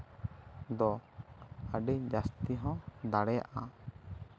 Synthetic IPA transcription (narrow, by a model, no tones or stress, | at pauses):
d̪ɔ | aɖed͡ʒast̪iɦɔ̃d̪aɽɛja̰ʔa